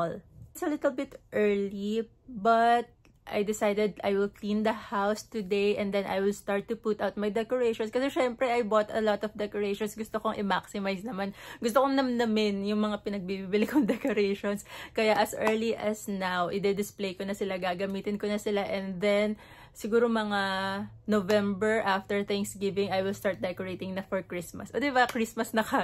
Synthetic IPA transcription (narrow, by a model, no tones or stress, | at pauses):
lɪt̪sɐlɪt̪ɛlbɪt̪ʔɛɹli | bɐt̪̚ | ʔa̰jd̪ɪsajd̪ɛd̪ʔajwɪlklĩnd̪ɐhawst̪ʊd̪ejʔɛ̃nd̪ɛ̃nʔa̰jwɪlst̪aɹt̪ːʊput̪awt̪̚majd̪ɛkoɹejʃɔ̃nskɐsɛʃɛmpɾɛajbot̪ɐlɔt̪ɔfd̪ɛkoɹejʃɔnsɡʊst̪okoŋʔɪmaksɪmajsnɐmanɡʊst̪okoŋnɐmnɐmɪnjʊŋmɐŋapɪnɐɡ̚bibibɪlɪkoŋd̪ɛkoɾɛjʃonskɐjaʔɐsʔɛɹliʔɐsnawʔɪd̪ɛd̪ɪsplejkonɐsɪlaɡaːɡɐmiːt̪ɪnkonɐsɪlaʔɛnd̪ɛn | sɪɡuːɾomɐŋa | novɛ̃mbɛɹʔaft̪ɛɹθɛŋksɡɪvɪŋajwɪlst̪aɹt̪̚d̪ɛkoɹejt̪ɪŋnɐfɔɹkɹismɐsʔod̪ɪbakɹismɐsnɐka